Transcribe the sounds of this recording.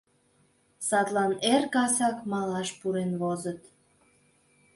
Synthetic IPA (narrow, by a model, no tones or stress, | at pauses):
sɑt̪lɑnerkɑsɑkmɑlɑʃpuɾenβozət̪